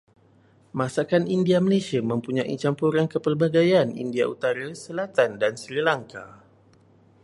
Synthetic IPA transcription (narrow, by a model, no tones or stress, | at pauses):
mãsakanindiamalesiamə̃mpuɲaʔḭt͡ʃampuɾankəpərbaɡajanḭndiaut̪aɾasəlat̪andansɾilaŋka̰